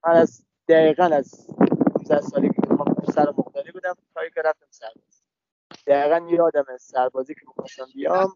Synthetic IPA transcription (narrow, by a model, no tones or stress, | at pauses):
mænæz | d̪̥æɡiːɣænæzhumzæhsɒːlekʰemænusæɾomoɣd̪ɒːɾibuːd̪æmt̪ʰɒjikʲeɾæft̪æmsæɾbɒːz̥i | d̪̥æiːɣænjeɒːd̪æmesæɾbɒːziːkʰemixɒst̪æmbijɒm